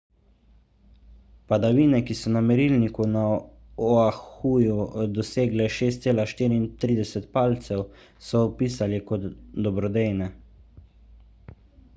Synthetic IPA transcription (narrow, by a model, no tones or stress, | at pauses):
pad̪aʋiːnɛkisɔnamɛɾiːlnikuna | ɔaxuːjud̪ɔseːɡlɛʃeːst̪seːlaʃt̪iːɾiːnt̪ɾiːd̪ɛsɛt̪paːlt̪sɛw | sɔːpiːsalikɔd̪d̪ɔbɾɔd̪ejnɛ